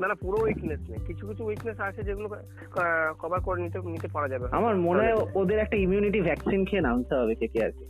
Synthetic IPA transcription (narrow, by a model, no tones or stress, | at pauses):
nanapuɾowiknesnajkit͡ʃʰukit͡ʃʰuwiknesat͡ʃʰed͡ʒeɡulo | kʰɔbakoɾenit̪enit̪epaɾad͡ʒabea̰maɾmoneood̪eɾɛk̚ʈaimjuniʈibʱɛksinkʰeenaunseɦɔbekekea̰ɾke